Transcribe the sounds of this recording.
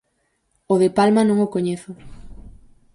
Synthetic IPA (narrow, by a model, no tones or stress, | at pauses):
oðepalmanõŋokoɲeθʊ